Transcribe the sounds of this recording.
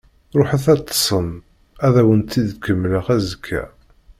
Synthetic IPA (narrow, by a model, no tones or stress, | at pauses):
ɾˤoħəθæt̪ːə̥sˤən | æðæwənt̪ːid̪kːəmːləʁæzəkʰːæ̰